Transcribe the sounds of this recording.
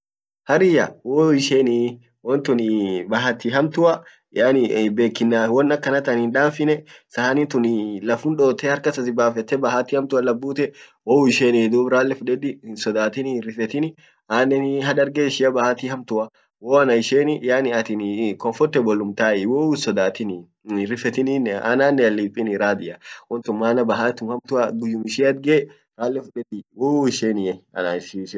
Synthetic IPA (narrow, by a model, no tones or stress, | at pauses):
hɐɾɪjɐ̰woːɪʃeːni | wɔnt̪ʊnɪbɐɦɐt̪ɪɦɐmt̪ʊɐ | jaːnɪbe̞ːkːɪnːaːwɔnːɐkːɐnɐt̪ɐninᶑaːfɪnɛsɐhɐnɪt̪ʊnɪlɐfʊnᶑoːt̪ɛhɐɾkɐsɐsɪbaːfɛt̪ːɛbɐɦɐt̪ihɐmt̪ʊɐlɐbːuːt̪ɛwoːɪʃeːnɪd̪uːbɾaːlːɛfʊᶑɛd̪ɪsɔd̪aːt̪ɪnɪrːɪfɛt̪ɪnɪ | aːnːɛnɦɐᶑɐɾɡeːʃɪɐbɐhat̪ihɐmt̪ʊɐ | woːɐnɐɪʃeːnɪʔjaːnɪɐt̪ɪnkɔmfɔɾt̪ɛbɔlːʊmt̪aːɛwoːsɔd̪aːt̪ɪn | rɪfɛt̪ɪninɛa̰naːnːɛɐlːiːpʼːɪnɪɾaːd̪ɪʔɐwɔnt̪ʊmːaːnɐbɐɦat̪ʊmhɐmt̪ʊɐɡʊjːʊmɪʃiːɐd̪̚ɡeː | ɾaːlːɛfʊᶑɛd̪ɪwoːɪʃeːnɪɐ̰naʃiʃ